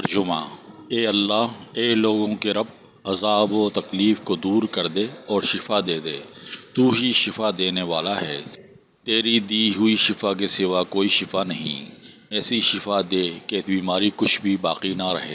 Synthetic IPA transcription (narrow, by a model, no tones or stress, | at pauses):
ɐɾd͡ʒʊmã̰ːeːɐlːaːɦeːloːɡõkeɾɐb̚ | ɐzaːboːt̪ɐkliːfkod̪uːɾkɐɾd̪eːɔːɾʃɪfad̪eːd̪eːt̪uːɦiʃɪfad̪eːneʋaːlaɦɛ̰ː | t̪eːɾid̪iːɦʊiʃɪfak̬esɪʋakoːiʃɪfanɐɦḭ̃ | ɛːsiʃɪfad̪eːkebiːmaːɾikʊt͡ʃʰbʱiba̰ːqinaɾɐɦḛː